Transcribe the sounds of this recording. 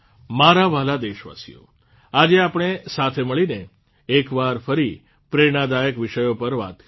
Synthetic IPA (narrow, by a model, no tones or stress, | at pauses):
maɾaʋalad̪eʃʋa̰sḭjo̰ | ad͡ʒeapɽ̃esat̪ʰeməɭineː | kʋaɾfəɾi | pɾeɽ̃ad̪ajəkʋɪʃəjopəɾʋa̰t̪